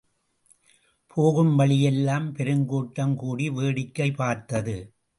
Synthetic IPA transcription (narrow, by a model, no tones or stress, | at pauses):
pʰoːɣɯmʋɐɭɪjɛlːaːmpɛɾɯŋɡoːʈːɐmkuːɽiʋeːɽɪkːɐɪpaːɾt̪ɐðɯ